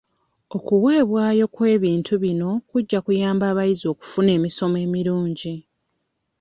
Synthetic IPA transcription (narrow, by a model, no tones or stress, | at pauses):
o̞kuwe̞ːβwaːjo̞kwe̞ːβiːntʰuβino̞kuɟːakujaːmbaːβajizo̞ːku̥fune̞ːmiso̞me̞ːmiɾuːɲɟi